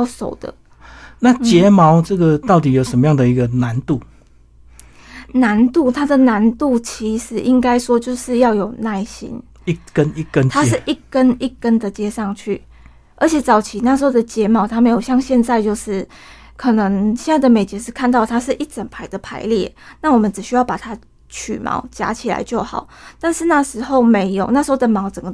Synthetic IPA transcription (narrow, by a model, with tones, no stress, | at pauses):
ʊʂo̰˨˩ʊd̪̥ə̰˦ | na˥˨t͡ɕjɛ˨˦mɑ˧˥ʊʈ͡ʂɤ˥˩ɡə˨t̪ɑ˥˩ʊt̪i˨˦jo˨˩ʊʂə˧˦mə˦jɑ˥˩ŋd̪ə˨i˧˦˥ɡə˨na˧˦nt̪u˥˨ | na˧˥nt̪u˥˩t̪ʰa˥d̪ə˨na˧˦nt̪u˥˩t͡ɕʰi˧˥ʂɻ̩˨˥˦ʔi˦˥ŋka˥ɪʂwɔ˥t͡ɕjo˥˧ʊʂɻ̩˥˧jɑ˥˩ʊjo˨˩ʊna˥˩ɪɕḭ˥n | i˥˩kə˦ni˥˩kə˦nt̪ʰa˥ʂɻ̩˥˧˨ʔi˥˩kə˦˥ni˥˩kə˦nd̪ə˨t͡ɕjɛ˥ʂɑ˥˧ŋt͡ɕʰy̰˥˩ | ə˞˧˥t͡ɕʰjɛ˨˩˦t͡sɑ˨˩ʊt͡ɕʰi˨˥˦na˥˩ʂ̬̩˧˥ho˥˩d̪ə˩t͡ɕjɛ˧˥mɑ˧˦ʊt̪ʰa˥me˧˥ɪjo˨˩ɕjɑ˥˧ŋɕjɛ˥˧nt͡sa˥˧ɪt͡ɕjo˥˧ʊʂɻ̩˥˩ | kʰɤ˨˩nɤ˧˦ŋɕjɛ˥˧na˥˩ɪd̪ə˩me˨˩ɪt͡ɕjɛ˧˦ʂ̬ɻ̩˥˧kʰa˥˧nt̪ɑ˥˩ʊt̪ʰa˥ʂɻ̩˥˧ʔi˥˩t͡sə˨˩npʰa˧˥ɪd̪ə˨pʰa˧˥ɪljɛ˥˩˨na˥˩wɔ˨˩mə˨˦nʈ͡ʂɻ̩˨˩ɕy˥jɑ˥˩ʊpa˨˩t̪ʰa˦˥ | t͡ɕʰy˨˩mʔɑ̰˧˥ʊt͡ɕja̰˧˥t͡ɕʰi˨˩la̰˧˦ɪt͡ɕjo˥˩ʊxɑ̰˨˩˦ʊt̪a˥˧nʂɻ̩˥˧na˥˩ʂɻ̩˧˥xo˥˩ʊme˧˦˥ɪjo˨˩ʊna˥˩ʂɻ̩˧˥xo˥˩d̪ə˨˩mɑ˧˥ʊt͡sə˨˩ŋɡə˩